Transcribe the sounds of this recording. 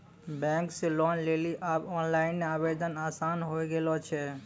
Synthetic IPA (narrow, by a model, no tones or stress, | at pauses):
bɛ̃ŋkselɔnleliʔabɔːnlaɪnmeaːbed̪ənaːsaːnɦoɡelɔt͡ʃʰɛ